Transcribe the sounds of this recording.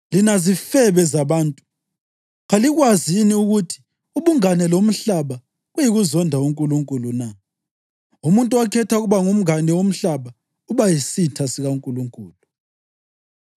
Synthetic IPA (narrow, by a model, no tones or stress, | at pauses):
linazifɛβɛzaβaːntʼu̥ | ɣaliɣwaziniuɣutʰi̥ | uβuŋanɛlom̩ɬaβa | ɣujiɣuzɔndʱauŋkʼuluŋkʼuluna | umuntʼuwakʰɛtʰauɣuβaŋum̩anɛwom̩ɬaβa | uβajisitʰasiɣauŋkʼuluŋkʼuːlu